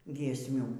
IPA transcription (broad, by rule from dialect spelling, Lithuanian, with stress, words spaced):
ɡʲiɛsʲˈmʲuː